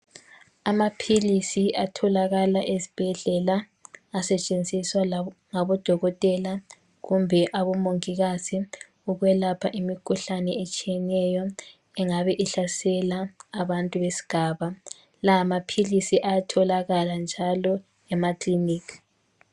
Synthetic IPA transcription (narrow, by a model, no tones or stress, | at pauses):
amapʰilisiʔatʰɔlaɣalaʔezi̥b̥ʱɛɮɛlaː | sɛt͡ʃʼend͡zʱiswaŋaβɔd̥ʱɔɣɔtʼɛla | ɣumbʱɛʔaβɔmoŋiɣazi | uɣwɛlapʰaʔimikʰuɬanɛet͡ʃʼijɛnɛjɔ | ɛŋaβɛʔiɬasɛlaːβantʼuβesi̥ɡ̥ʱaːβa | laːmapʰilisiʔajatʰɔlaɣaland͡ʒʱalɔ | ɛmakliniːkʰ